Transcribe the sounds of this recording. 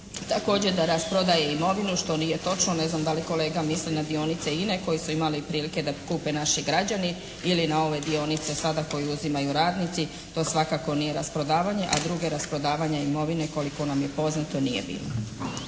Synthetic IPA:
t̪ako̞ːd͡ʑed̪aɾaspɾo̞d̪aje̞imo̞ʋinuʃt̪o̞nije̞t̪o̞t͡ʃno̞ne̞znamd̪aliko̞le̞ːɡamislinad̪io̞nit̪se̞ine̞ko̞jisuimalipɾiːlike̞d̪apkuːpe̞naʃiɡɾad͡ʑani | ilinao̞ʋe̞d̪io̞nit̪se̞sad̪ako̞jiuzimajuɾaːd̪nit̪si | t̪o̞ːsʋakakonije̞ɾaspɾo̞d̪aːʋaɲe̞ʔad̪ɾuɡe̞ɾaspɾo̞d̪aːʋaɲaimo̞ʋine̞ko̞liko̞namje̞po̞znat̪o̞nijḛbḭːlno̰

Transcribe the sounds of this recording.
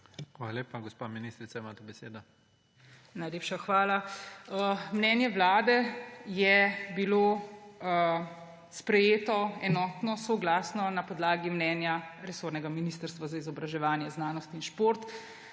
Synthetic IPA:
xʋaːlaleːpaɡɔspaminist̪ɾit̪saimaːt̪ɛbɛsḛːd̪ɔ | najleːpʃaxʋaːlaəmnɛːnjɛʋlaːd̪ɛjɛbiloː | spɾɛjeːt̪ɔɛnɔːt̪nɔsɔɡlaːsnɔnapɔd̪laːɡimnɛːnjaɾɛsoːɾnɛɡaminist̪əɾst̪ʋazaizɔbɾaʒɛʋaːnjɛznaːnɔst̪inʃpoɾt̪

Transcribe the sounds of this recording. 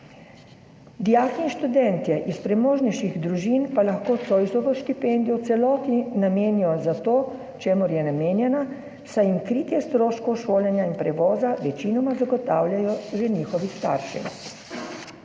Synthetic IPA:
d̪ijaːxinʃt̪ud̪ɛnt̪jɛʔispɾɛmoːʒniʃiɣd̪ɾuʒiːnpalaxkoːt̪sojzɔʋɔʃt̪ipend̪ijɔwt̪sɛlɔːt̪inameːnijɔzat̪oː | t͡ʃeːmɔɾjɛnameːnjɛna | sajimkɾiːt̪jɛst̪ɾoːʃkɔwʃoːljɛnjainpɾɛʋɔːzaʋɛt͡ʃinɔmazaɡɔt̪aːwlʲjajɔʒɛniːxɔʋist̪a̰ːɾʃɛ̰

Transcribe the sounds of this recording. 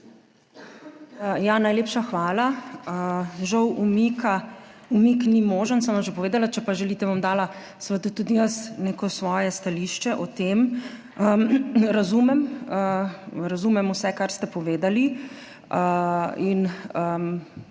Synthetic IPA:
janajleːpʃaxʋaːlaəʒɐwʔumika | umiknimoːʒənsəmʋamʒepɔʋeːd̪alat͡ʃɛpaʒɛlit̪ɛʋamd̪aːla | sʋəd̪ut̪ud̪ijəsneːkɔsʋɔːjɛst̪aliʃt͡ʃɛʔɔt̪eːm | əɾɐzumɛməɾɐzumɛmusɛkaɾst̪ɛpɔʋeːd̪ali | əinəm

